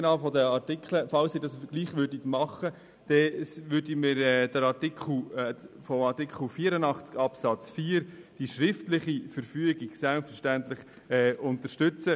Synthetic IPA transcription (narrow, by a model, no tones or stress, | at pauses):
nɑːfɔdəɑtɪkʰləfɑlsɪdɑsɡ̥liːχʋʏɾdit̪mɑχə | d̥ɛʋʏɾdimɪɾɛːd̥əɾɑtikχl̩fɔmɑtikʰχl̩fiːəɾənɑχt͡skɑpsɑt͡sfiːɾd̥iʃɾɪftlɪχifəɾfyəɡiɡ̥sælpfəɾʃtæntlɪχ | ɛʊntəɾʃtʏt͡sə